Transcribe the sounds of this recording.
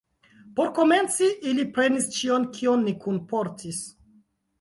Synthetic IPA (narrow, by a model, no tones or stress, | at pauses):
po̞ɾko̞me̞nt͡siʔilipɾe̞nist͡ʃionkʰionːikunpo̞ɾtʰis